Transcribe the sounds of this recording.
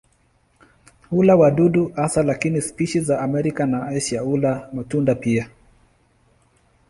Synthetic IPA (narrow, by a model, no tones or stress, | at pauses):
ulawaɗuɗuasalakinispiʃizaːmɛɾikanaaʃiaulamatundapia